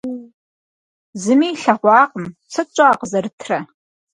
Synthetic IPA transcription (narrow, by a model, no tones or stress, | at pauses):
zɨmiːɬɐʁʷɑːqəmt͡sʰɐt͡ʃʷʼaːqzɐrɨtʰrɐ